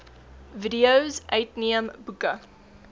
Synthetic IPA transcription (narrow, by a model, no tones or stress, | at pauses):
vidiəwzʔœɥtniəmbukə